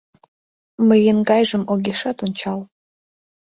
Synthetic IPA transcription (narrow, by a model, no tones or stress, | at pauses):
məjənɡɑjʒə̆moɣʲeʃɑt̪onʲt͡ɕɑl